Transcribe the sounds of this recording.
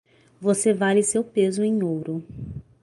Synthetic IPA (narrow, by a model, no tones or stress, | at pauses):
vosevalɪsewpezʊẽj̃owɾʊ